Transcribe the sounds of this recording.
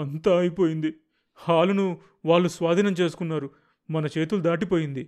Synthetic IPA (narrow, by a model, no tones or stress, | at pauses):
ɐnt̪aːɐjipo̞ːjind̪i | haːlunu | ʋaːɭːusʋaːd̪ʱiːnɐmt͡ʃe̞ːsu̥kunːaːɾu | mɐnɐt͡ʃe̞ːt̪ulud̪aːʈ̬ipo̞ːjind̪i